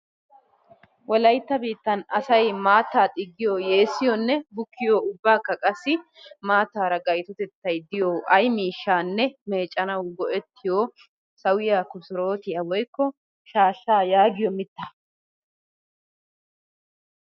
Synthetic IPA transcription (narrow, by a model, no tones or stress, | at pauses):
wɔlɐjt̪ːɐbiːt̪ːɐnɐsɐjmaːt̪ːaːt̪ʼɪɡːɪjoːje̞ːsːɪjɔnːɛbʊkːɪjoːʊbːaːkːɐkʼɐsːɪ | maːt̪ːaːɾɐɡɐjt̪ɔt̪ɛt̪ːɐjd̪ɪjoːʔɐjmiːʃːaːnːɛme̞ːt͡ʃʼːɐnɐwɡɔʔɛt̪ʰːɪjoː | sɐwɪjaːkʊsɔɾo̞ːt̪ɪjɐwɔjkːɔ | ʃaːʃːaːjaːɡɪjɔmɪt̪ːɐ